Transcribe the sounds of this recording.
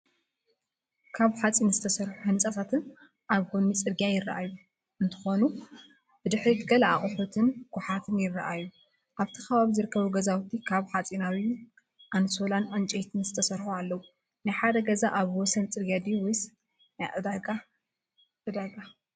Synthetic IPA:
kʰaβħat͡sʼinzɨt̪ʰɐsɐɾħuħɨnt͡sʼat̪ʰat̪ʰɨn | ʔaβɡonit͡sʼɨɾɡjajɪrɐ̰ʔajːu | ʔɨnt̪ʰɨ̥xo̞nu | b̥ɨd̪ɨħɾit̪ʰɨɡɐlaaχʼʊħut̪ʰɨnɡ̥ħat̪ʰɨnjɪrːɐʔajːu | ʔaβt̪ʰi̥xɐβaβizɨɾɨkʰːɐβuɡɐzawt̪ʰikʰaβħat͡sʼinawju | ʔanso̞lanʔɨnt͡ʃʼejt̪ʰɨnzɨt̪ʰɐsɐɾħualːɐwu | najħad̪ɐɡɐzaʔaβwɔsɐnt͡sʼɨɾɡijad̪iwijs | najʕɨd̪aɡa | ʔɨd̪aɡa

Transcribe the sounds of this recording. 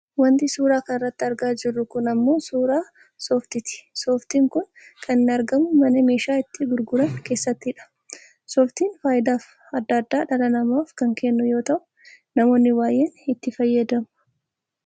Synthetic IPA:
wɐnt̪ɪsuːɾaːkɐnɪrːɐt̪ːɪɐɾɡaːd͡ʒɪrːʊkʊnɐmːo̞ːsuːɾaː | sɔft̪ɪt̪ɪ̥sɔːft̪iːŋkʊn | kʰɐnɪnɪɐɾɡɐmʊmɐnɛme̞ːʃaːɪt̪ːɪɡʊɾɡʊɾɐŋke̞ːsːɐt̪ːɪᶑɐ̥ | sɔft̪iːnfaːjɪd̪aːf | ɐd̪ːɐd̪ːaːᶑɐlɐnɐmaːfkɐŋkenːʊjo̞ːt̪ɐʔʊ̥ | nɐmo̞ːnːɪwaːjeːnɪt̪ːɪfɐjːɐd̪ɐmʊ̥

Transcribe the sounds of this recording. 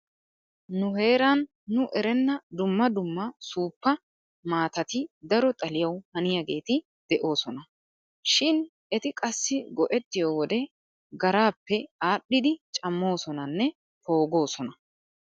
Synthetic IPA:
nʊhe̞ːɾanː | ʊʔɛɾɛnːɐd̪ʊmːɐd̪ʊmːɐsuːpːɐ | maːt̪ɐt̪ɪd̪ɐɾɔt̪ʼɐlɪjɐwhɐnɪjaɡe̞ːt̪ɪ | d̪̥ɛʔo̞ːsɔnɐ | ʃɪn | ɛt̪ɪkʼɐsːɪɡɔʔɛt̪ːɪjoːwɔd̪ɛ | ɡɐɾaːpːɛaːɗːɪd̪ɪt͡ʃʼɐmːo̞ːsɔnɐnːɛ | po̞ːɡo̞ːsɔnɐ

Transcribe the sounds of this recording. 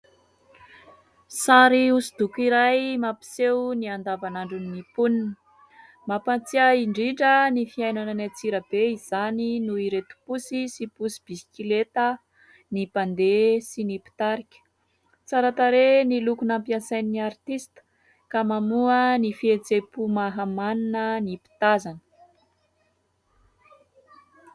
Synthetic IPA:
saɾiusid̪̥ukiɾajmapi̥sewniand̪avanaɳɖ͡ʐuninipuninə | mapant͡siəiɳɖ͡ʐiʈ͡ʂənifiajnananat͡siɾəbeizaninuiɾet̪u̥pusisipusib̥isi̥kʲilet̪ə | nipand̪esinipi̥t̪aɾikʲə̥ | t͡saɾat̪aɾenilukunampiasajnniart̪ist̪ə̥ | kamamuənifiet͡sepumaɦamaninənipi̥t̪azanə̥

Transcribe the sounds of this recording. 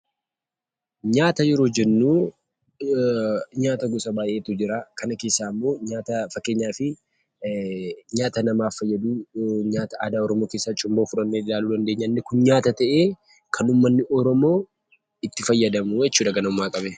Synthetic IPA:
ɲaːt̪ɐjɛɾoːd͡ʒɛnːuː | ɲaːt̪ɐɡʊsʼɐbaːjʔeːt̪ʊd͡ʒɪɾaːkɐnɐke̞ːsːaːɐmːo̞ːɲaːt̪ɐfɐkːe̞ːɲːaːfɪ | ɲaːt̪ɐnɐmaːfːɐjːɐd̪uːɲaːt̪ɐʔaːd̪aːɔɾɔmo̞ːke̞ːsːaːt͡ʃʼʊmboːfʊɾɐnːeːɪlaːluːd̪ɐnd̪eːɲːɐnːɛkʊnɲaːt̪ɐt̪ɐʔe̞ː | kʰɐnʊmːɐnːɪʔɔɾɔmo̞ː | ɪt̪ːɪfɐjːɐd̪ɐmuːjɛt͡ʃːuːᶑ̪ɐɡɐnɐʊmːaːkʼɐbɛ

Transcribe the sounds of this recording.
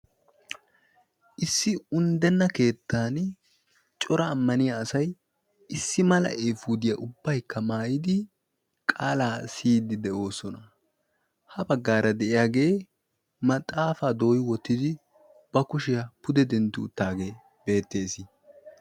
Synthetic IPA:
ʔɪsːɪʊnd̪ɛnːɐke̞ːt̪ːaːn | t͡ʃʼɔɾɐːmːɐnɪjaːsɐj | ɪsːɪmɐlɐ̰ʔeːfuːd̪ɪjɐʔʊbːɐjkːɐmaːjɪd̪ɪ | kʼaːlaːsiːd̪ɪd̪ɛʔo̞ːsɔnɐ | hɐbɐɡːaːɾɐd̪ɛʔɪjaːɡe̞ː | mɐt̪ʼːaːfaːd̪o̞ːjɪwɔt̪ːɪd̪ɪ | b̥ɐkʊʃɪjɐpʊd̪ɛd̪ɛnt̪ːʊːt̪ːaːɡe̞ː | b̥e̞ːt̪ːe̞ːsɪ

